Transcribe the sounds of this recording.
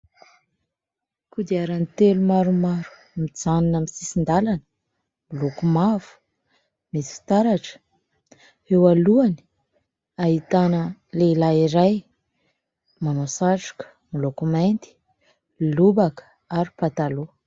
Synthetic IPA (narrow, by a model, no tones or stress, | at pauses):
kud̪iaɾanit̪elumaɾumaɾu̥ | mid͡zaninamisisind̪alanə | milokumavu̥ | misi̥fi̥t̪aɾaʈ͡ʂə̥ | ewaluani̥ | aɦit̪anəleilaiɾaj | manosaʈ͡ʂu̥kə̥ | milokumajnt̪i̥ | lubakə̥ | aɾipat̪alo